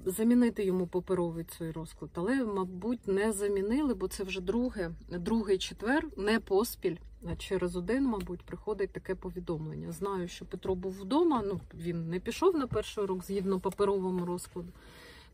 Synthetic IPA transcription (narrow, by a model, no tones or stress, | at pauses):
zɐmʲinɪt̪ɪjɔmupɐpeɾɔʋɪt͡s̪ʲɔjrɔsklˠɐd̪ɐlˠɛmɐbutʲnɛzɐmʲinɪlˠɪbɔt̪sɛwʒɛd̪ɾuɦɛd̪ɾuɦɪjt͡ʃet̪ʋɛrnɛpɔspʲilʲt͡ʃɛɾezɔd̪ɪnmɐbutʲpɾɪxɔd̪ɪt̚ʲt̪ɐkɛpɔʋʲid̪ɔmlˠḛnʲːɐ̰znɑjʊʃt͡ʃɔpet̪ɾɔbuwːd̪ɔmɐnuʋʲinːɛpʲiʃɔwnɐpɛrʃʊɾɔɡzʲɦʲid̪nɔpɐpeɾɔʋɔmʊɾɔsklˠɐd̪ʊ